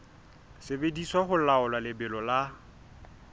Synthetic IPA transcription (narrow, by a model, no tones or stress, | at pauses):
sɪbediswaχʊlaʊlwalɪbɪlɔla